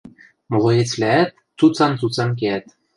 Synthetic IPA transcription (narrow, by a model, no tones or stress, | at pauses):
molɤ̆jet͡slææt̪̚ | t͡sut͡sɑnt͡sut͡sɑnk̬eæt̪